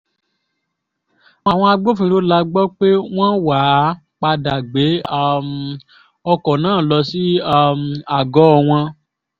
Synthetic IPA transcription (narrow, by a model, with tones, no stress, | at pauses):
a˨w̃ɔ̃˧a˧ɡ͡bo˦fĩ˧ɾo˦la˧ɡ͡bɔ˦k͡pe˦w̃ɔ̃˦wa˨˦ | k͡pa˧da˨ɡ͡be˨˦m | ɔ˧kɔ˨nãː˨˦˨lɔ˧si˦a˦˧ma˨ɡɔ˨˦ɔ˧w̃ɔ̃˧